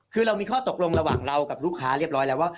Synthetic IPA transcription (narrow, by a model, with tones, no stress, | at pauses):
kʰɯː˧ɾa˧wmiː˧kʰɔː˥˩t̪o˨˩k̚lo˧ŋɾa˧waː˨˩ŋɾa˧wka˨˩p̚ɾuː˥˩kʰaː˦˥ɾi˥˩ɾɔː˦˥jlɛː˦˥˩waː˥˩